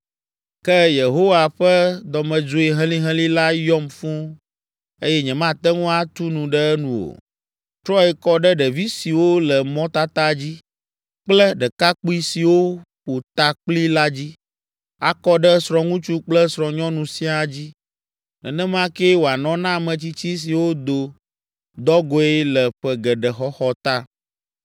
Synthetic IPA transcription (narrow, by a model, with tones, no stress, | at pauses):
kɛ˦je˨ɦo˦wa˨ɸɛ˦d̪ɔ˨mɛ̃˨d͡ʒo˦e˨ɦɛ̃˦lĩ˦ɦɛ̃˦li˦la˦jɔ˦mfũ˦ | e˦jɛ˦ɲɛ̃˨mã˦t̪ɛ˦ŋũ˦a˦t̪u˦nũ˨ɖɛ˦ɛ˦nũ˨o̰˨ | t̪ɾɔ˦ɛ˨kɔ˦ɖɛ˦ɖɛ˨vi˦si˨wo˦lɛ˨mɔ̃˦t̪a˦t̪a˦d͡ʑi˦ | k͡plɛ˦ɖɛ˨ka˦k͡pu˦i˦si˨wo˦ɸo˨t̪a˦k͡pli˦la˦d͡ʑi˦ | a˨kɔ˦ɖɛ˦sɾɔ̃˨ŋũ˦t͡ʃu˦k͡plɛ˦sɾɔ̃˨ɲɔ̃˦nũ˨sĩ˦a˨d͡ʑi˦ | nɛ̰˨nɛ̃˦mã˦kɛ˦wo˨a˨nɔ̃˨˦nã˦˨mɛ̃˨t͡ɕi˦t͡ɕi˦s̬i˨wo˦d̪o˨ | d̪ɔ˦ɡɔ˦ɛ˦lɛ˨ɸɛ˦ɡɛ˨ɖɛ˨xɔ˦xɔ˦t̪a˦